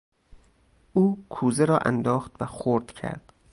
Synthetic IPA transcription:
ʔuːkʰuːzeɾɒːʔæ̰nd̪ɒːxt̪væxoɾd̪̥cʰæ̰ɾd̪̥

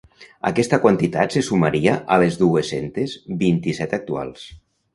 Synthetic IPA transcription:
a̰kɛst̪akwant̪it̪at̪sesumaɾiaʔalezðuesent̪ezbint̪isɛt̪ak̚t̪ua̰lˠs

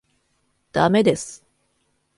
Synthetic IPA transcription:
d̪̥ame̞d̪e̞sɨ̥

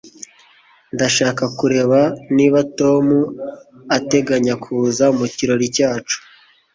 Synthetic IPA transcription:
ndaʃaːkakuɾe̞βaniːβato̞mu | ate̞ɡaɲakʰuːzamuciɾo̞ɾicaːt͡ʃu̥

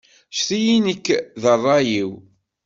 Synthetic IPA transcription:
ʃθijinəkːðərˤːɑjiw

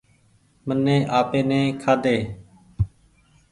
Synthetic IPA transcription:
mənːẽːʔaːpeːnẽːkʰaːd̪eː

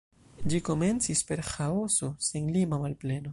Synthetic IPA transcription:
d͡ʒiko̞me̞nt͡sispe̞ɾxao̞so̞senlimamalple̞no̞

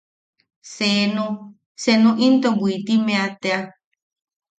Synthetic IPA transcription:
senũ | senũʔint̪obuit̪imẽat̪ea

